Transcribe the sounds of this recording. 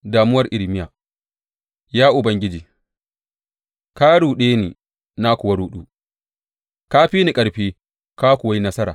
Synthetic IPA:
daː˨mʊ˦wɐ˨rʔɪ˨lmɪ˦jaː˨ | jaː˦ʔʊ˨bɐ˦ŋɡʲɪ˦d͡ʒiː˨ | kaː˦ɽuː˨ɗeː˦neː˨ | na˦kʷʊ˨ɐ˦ɽuː˦ɗuː˦ | kaː˦ɸiː˦ni˨kʼɐ˨ɽɸeː˦ | kaː˦kʷʊ˨wa˦ji˦nɐ˦sɐ˦ɾa̰ː˨

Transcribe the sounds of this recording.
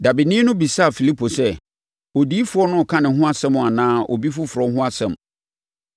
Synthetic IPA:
da˨bi˨nĩ˦nʊ̃˦bi˨sa˦a˨fi˨li˦pʰo˨sɛ˦ | o˨diː˦fʊ˨˦ɔ˦nʊ̃˦˨kʰã˦nɪ̃˨ɦʊ̃˦a˦sɛ̃˦mʊ̃˨a˨nãː˦ʔɔ̰˨bi˦fʊ˦fʊ˨ɾɔ˨˦ɦʊ̃˦a˦sɛ̃˨m

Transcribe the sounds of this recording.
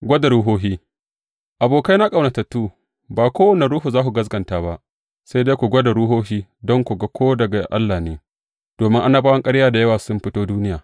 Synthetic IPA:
ɡʷɐ˦da˨ɾuː˦ɦoː˦ɦiː˦ | ʔa˨boː˨ka˦jna˦kʼa˨wna˨tɐ˨tːuː˦ | baː˨kʷoː˦wɐ˦na˨ɾuː˦ɦu˨zaː˦ku˨ɡɐ˦s̬ɡɐ˨ntaː˨ba˦ʔ | sa˦jda˦jkʷu˨ɡʷɐ˦da˨ɾu˦ɦoː˦hiː˦dɔ˦ŋkʷu˨ɡa˦kʰʷoː˦dɐ˨ɡa˨ʔa̰˦lːaː˨neː˦ | d̥oː˨mɪ˦ŋʔa˦na˦baː˦wɐ˦ŋkʼɐ˦ɽjaː˦da˨jɐ˦waː˨sʊ˦mɸɪ˦toː˦duː˦nɪ˦jaː˨

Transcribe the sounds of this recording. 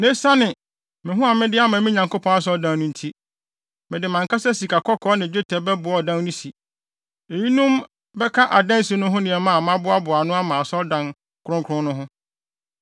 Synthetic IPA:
ne˦sa˦nɪ̃˨ | mɪ̃˨ɦʊ̃˦a˨mɪ̃˦dɪ˦a˦mã˨˦mĩ˦ɲã˨ŋko˦pʰɔ̃˦a˦s̬ɔ˦dã˦ŋnʊ̃˦n̩˦tʰi˦ | mɪ̃˨dɪ˨mã˨ŋkʰa˦sɛ˦si˨kʰa˨kʰɔ˦kʰɔː˦nɪ̃˨d͡ʑᶣɪ˦tʰɛ˨bɛ˦bʊ˨ɔ˨dã˦ŋnʊ̃˦si˨ | e˨ji˦nũ˦m | bɛ˦kʰa˦ʔa˨dã˦n˦si˦nʊ̃˦ɦʊ̃˦nɪ̃˨ɛ˨mã˦˨mã˦bʊ˦a˦bʊ˨a˨nʊ̃˦a˦mã˨sɔ˦ldã˨n | kʰʊ˦ɾʊ̃˦ŋkʰʊ̃˦nʊ̃˦ɦʊ̃˦

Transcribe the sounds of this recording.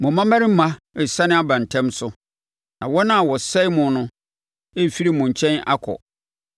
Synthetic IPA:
mʊ̃˨mã˦mã˦ɾɪ˦m̩˦mã˦ | ɛ˨sa˦nɪ̃˦a˦bã˨n˨tʰɛ̃˦msʊ˦ | nã˨wɔ˦nã˦˨wɔ˨sɛ˦ɪ˦mʊ̃˨˦nʊ̃˦ | e˦˨fi˦ɾi˦mʊ̃˨ɲ̩˨t͡ɕʰɛ̃˦na̰˦kʰɔ̰˨

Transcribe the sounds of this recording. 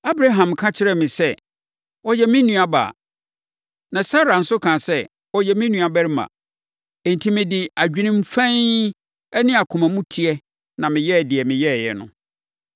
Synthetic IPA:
a˦bɾa˦ɦã˨mkʰã˦t͡ɕʰɪ˦ɾɛ˦mɪ̃˨sɛ˦ | ɔ˦jɛ˦mɪ̃˦nũ˦a˨ba̰ː˨ | nã˨sa˦ɾa˨n̩˦sʊ˦kʰãː˨sɛ˦ | ɔ˨jɛ˨mɪ̃˦nũ˨a˨bɛ˦ɾɪ˦mã̰˨ | e˨n̩˨tʰi˦mɪ̃˨dɪ˨a˨d͡ʑᶣi˦nɪ̃˦m̩˦fɛ̃˦ | ɛ˦nɪ̃˦a˨kʰʊ̃˨mæ̃˨mũ˦tʰi˦ɛ˦ | nã˨mɪ̃˨jɛ˦˨dɪ˨ɛ˨mɪ̃˨jɛ˦˨jɛ̰˨nʊ̰̃˨

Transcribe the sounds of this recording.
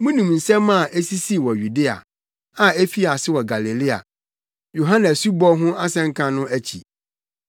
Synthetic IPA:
mũ˦nũ˨mn̩˨sɛ̃˦mã˦˨ʔe˦si˦si˦˨wɔ˨ju˨de˦a̰˨ | ã˨e˦fi˦a˨sɪ˦wɔ˨ɡa˨le˨lɪ˦a̰˨ | jo˨ɦã˦nɛ˨su˦bɔ˦ɦʊ̃˦a˦sɛ̃˦ŋ̩˦kʰã˦nʊ̃˦æ˦t͡ɕʰḭ˨

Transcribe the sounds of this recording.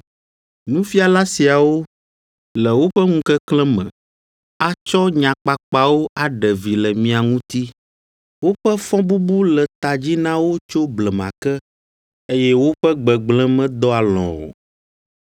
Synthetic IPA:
nũ˦fi˦a˨la˦si˨a˨wo˦ | lɛ˨wo˦ɸɛ˦ŋũ˦kɛ˦klɛ̃˦mɛ̰̃˨ | a˦t͡ʃɔ˦ɲã˨k͡pa˨k͡pa˨wo˦ʔa˨ɖɛ˨vi˨lɛ˨mĩ˦a˨ŋũ˦t̪i˦ | wo˦ɸɛ˦fɔ̃˦bu˦bu˦lɛ˨t̪a˨d͡ʑi˦nã˦wo˦t͡ʃo˦blɛ˨mã˨kɛ˦ | e˦jɛ˦wo˦ɸɛ˦ɡ͡bɛ˨ɡ͡blɛ̃˦mɛ̃˦d̪ɔ˦a˨lɔ̰̃˨o̰˨

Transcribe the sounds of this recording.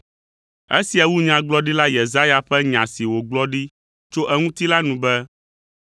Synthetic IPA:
ḛ˦si˨a˨wu˦ɲã˨ɡ͡blɔ˦ɖi˦la˦je˨za˦ja˨ɸɛ˦ɲã˨si˨wo˨ɡ͡blɔ˦ɖi˦ | t͡ʃo˦ʔɛ˦ŋũ˦t̪i˦la˦nũ˨bɛ˦

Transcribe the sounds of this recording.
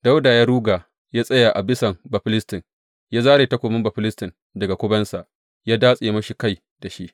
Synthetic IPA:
da˦wdaː˨jaː˦ɾuː˦ɡaː˨ | jaː˦sʼɐ˦ja˨ʔa˨bɪ˦sɐ˨mbɐ˨ɸɪ˦lɪ˦stɪ˨n | jaː˦zaː˦ɾeː˨tɐ˦kʷoː˨mɪ˦mbɐ˨ɸɪ˦lɪ˦stɪ˨n | dɐ˨ɡa˨kʷʊ˦bɐ˦nsa˨ʔ | jaː˦daː˦sʼe˨mɐ˦ʃi˨ka˦˨j | da˨ʃi˦ʔ

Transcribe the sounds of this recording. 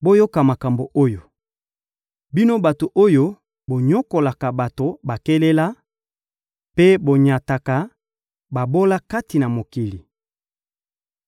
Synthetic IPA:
bo˦jo˦ka˨ma˨ka˨mbo˨ʔo˦jo˨ | bi˦no˦ba˨to˨ʔo˦jo˦ | bo˨ɲɔ˦ko˨la˨ka˨ba˨to˨ba˨ke˦le˦la˦ | pe˦bo˨ɲa˨ta˨ka˨ | ba˨bo˦la˦ka˦ti˨na˨mo˨ki˨li˨

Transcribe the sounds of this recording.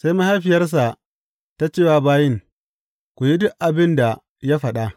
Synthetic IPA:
sa˦jma˦ha˦ɸɪ˨jɐ˦rs̬a˨ | ta˦t͡ʃeː˦waː˦baː˦jɪ˦ŋ | kʷu˨ji˦dʊ˦ʔʔa˨bɪ˦nda˨ | ja˦ɸɐ˨ɗa˦ʔ

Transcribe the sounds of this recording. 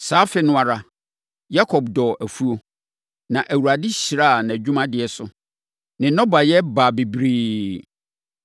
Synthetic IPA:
saː˦fɪ˨nʊ̃˦a˨ɾa˨ | ja˦kʰɔ˨bdɔ˨ʔæ˨fu˦o˦ | nã˨ʔæ˨wu˨ɾa˨dɪ˦ɕi˨ɾa˦˨nã˨d͡ʑᶣu˦mã˦dɪ˨ɛ˨sʊ˨ | nɪ̃˨nɔ̃˦ba˨jɛ˦baː˨bi˨bɾiː˦

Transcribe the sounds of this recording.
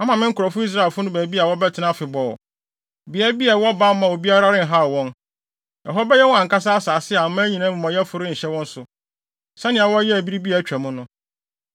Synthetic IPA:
a˦mã˨mɪ̃˦ŋ̩˦kʰʊ˨ɔ˨fʊ˦i˦s̬ɾa˦˨e˨fʊ˦nʊ̃˦bæː˨bi˦a˨wɔ˦bɛ˦tʰɪ˨nã˦fɪ˨bɔ̰˨ | bɪ˨ɛ˦ɾbi˦ɛ˨wɔ˦ba˦m˦mã˨wo˨bi˦a˦ɾa˦ɾɪ̃˦n̩˨ɦa˦˨wɔ̃˦n | jɛ̰˨ɦɔ˦bɛ˦jɛ˦wɔ̃˦ã˨ŋ˨ka˦s̬a˦a˦saː˨sɪ˦a˨mã˦ɲĩ˨nã˦mʊ̃˨mã˨jɛ˦fʊ˨ɾɪ̃˦ɲ̩˨ɕɛ˦wɔ̃˦n̩˦sʊ˨ | sɛ˦nɪ̃˨a˨wɔ˦jɛ˦æ˨bi˦ɾi˦bi˦a˨˦t͡ɕᶣæ˨mʊ̃˦nʊ̃˦

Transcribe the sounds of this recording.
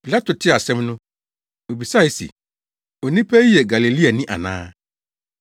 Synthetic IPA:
pi˨la˦tʰʊ˨tʰɪ˦˨a˨sɛ̃˦mnʊ̃˦ | o˨bi˨sa˦i˨sḭ˨ | o˨nĩ˦pʰɛ˦i˦jɛ˨ɡa˨le˨li˦a˨nɪ̃˦ʔa̰˨nã̰ː˦

